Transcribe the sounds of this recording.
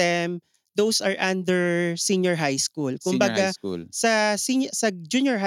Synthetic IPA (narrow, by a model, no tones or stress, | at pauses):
ɛm | d̪owsɐɹʔãnd̪ɛɹsĩnjɔɹɦajskulkʊmbɐɡaṵsɐsinsɐd͡ʒunjɔɹɦa